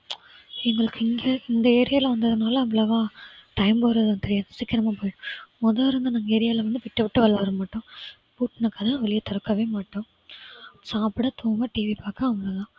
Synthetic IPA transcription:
ɛŋɡɐɭɯkːɪŋɡɐɪnd̪ɐeːɾɪjaːlɐʋɐnd̪ɐðɯnaːlɐɐʋɐɭɐʋãːʈɐɪmpoːɾɐðɐnt̪ɛɾɪjaːnɐsɪkːɪɾɐmaːpoːjɪɽʊ̃mɔðɐːɾɯnd̪ɐnɐŋɡɐeːɾɪjaːlɐʋɐnd̪ɯʋɪʈːɐʋɪʈːɯʋɐɭːɐʋɐɾɐmaːʈːʊ̃ː | puːʈːnɐkːɐðãːʋɛlɪjat̪ɔɾɐkːaʋeːmaːʈːʊ̃ | saːpɪɽɐt̪oːɐmaːʈiːʋipaːkãːɐʋɐlɐðãː

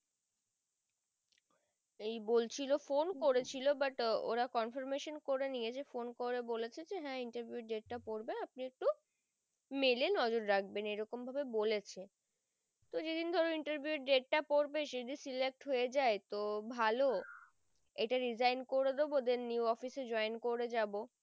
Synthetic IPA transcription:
ejbolt͡ɕʰilofonkoɾet͡ɕʰilobaʈo̰ɾakɔnfoɾmeʃonkoɾeniet͡ɕʰefonkoɾebolet͡ɕʰed͡ʑeɦɛ̃iɳʈaɾbʱiuɖeʈ̚ʈapoɾbenap̚niek̚ʈu | melenɔd͡ʑoɾɾak̚ʰbenejɾɔkombʱabebolet͡ɕʰe | t̪od͡ʑed̪ind̪ʱɔɾeiɳʈəɾbʱiuʈɖeʈ̚ʈapoɾbeʃed̪isilek̚ʈɦoed͡ʑaet̪obʱalo | eʈaɾid͡ʑajnkoɾed̪ebod̪eɾniuɔfised͡ʑɔenkoɾed͡ʑabo

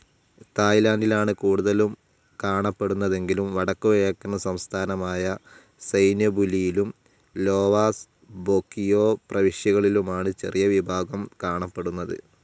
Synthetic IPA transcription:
t̪aːjlaːndilaːɳɨkuːɽuðɐlum | kaːɳɐpːe̞ɽunːɐðe̞ŋɡilumʋɐɽɐkːuʋɐjɐkːunːɐsɐmst̪ʰaːnɐmaːjɐ | sɐjnjɐbulijilum | lo̞ːʋaːs | bokːijo̞ːprɐʋiʂjɐɣɐɭilumaːɳɨt͡ɕe̞̰rijɐʋibʱaːɡɐmkaːɳɐpːe̞ɽunːɐðɨ̰

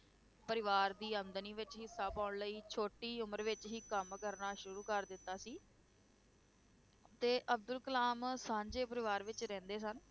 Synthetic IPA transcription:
pəɾɪʋaːɾd̪iːənd̪əniːʋɪt͡ʃɦiːsaːpãːʊɳləiːt͡ʃʰoːʈiːʊməɾʋɪt͡ʃɦiːkəmkəɾnaːʃʊɾuːkəɾd̪ɪt̪ːaːsiː | t̪eːʔəb̚d̪ʊlkəlaːmsãːɲd͡ʒeːpəɾɪʋaːɾʋɪt͡ʃɾɛ̃ːnd̪eːsən

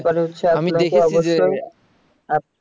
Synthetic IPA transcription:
paɾeɦutːɕʰealokeɔboʃoj | a

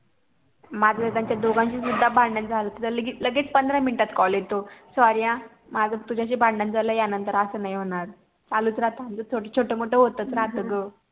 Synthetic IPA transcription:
mad͡zət̪ãɲt͡ɕjad̪oɡãnɕiːsud̪ʱːabãɳɖənd͡zʱalət̪it̪ələɡiləɡiːt͡spənd̪ʱɾãminiʈat̪kɔljet̪osʋaɾijã | mad͡zət̪ud͡ʑaɕ̬iːbʱãɳɖənd͡zʱaləːjanənt̪əɾəsəːnaijɦoɽ̃aɾ | t͡saluːt͡sɾat̪ãnt͡sət͡sʰoʈət͡ɕʰoʈəmoʈəɦot̪ət͡sɾat̪əɡə

